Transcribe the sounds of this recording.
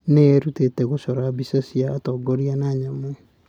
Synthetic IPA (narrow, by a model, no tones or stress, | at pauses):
neeɾutetɛɣoʃɔɾabisasiaːtɔɡɔɾianaɲamɛ